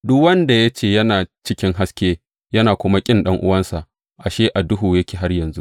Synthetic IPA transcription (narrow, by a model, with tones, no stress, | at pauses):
dʊ˦wɐ˦nda˨ja˦t͡ʃeː˦˨jɐ˦naː˨t͡ʃɪ˦kʲɪ˦ŋɦa˦skʲeː˦ | jɐ˦naː˨kʷʊ˦ma˦kʲʼɪ˦nɗɐ˦ŋʔʊ̰˦wɐ˦nsa˨ʔ | ʔa˨ʃeː˦ʔa˨dʊ˦ɦuː˨jɐ˦kʲeː˨ɦa˦rjɐ˨nzṵ˦ʔ